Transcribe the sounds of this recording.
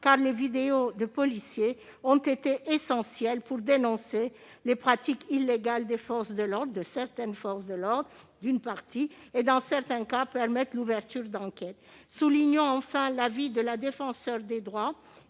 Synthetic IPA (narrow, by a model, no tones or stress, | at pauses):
kaʁlevid̪eod̪əpɔlisje | ɔ̃t̪et̪eʔesɑ̃sjɛlpuʁd̪enɔ̃se | lepχat̪ikilːeɡald̪efɔʁsd̪əlɔʁd̪ʁd̪əsɛʁt̪ɛnfɔʁsd̪əlɔʁd̪ʁ | d̪ynpaʁt̪ied̪ɑ̃sɛʁt̪ɛ̃kapɛʁmɛt̪luvɛʁt̪yʁd̪ɑ̃kɛt̪suliɲɔ̃ɑ̃fɛ̃lavid̪əlad̪efɑ̃sœʁd̪ed̪ʁwa